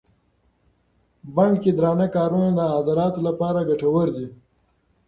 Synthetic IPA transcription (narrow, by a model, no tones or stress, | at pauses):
bɐɳɖked̪ɾɑːnakaːɾuned̪əazaɾɑːt̪olapɑːɾaɡaʈawəɾd̪i